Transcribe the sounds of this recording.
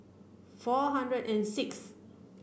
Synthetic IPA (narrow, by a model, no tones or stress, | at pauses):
fɔɦãndɹədɛ̃nsɪks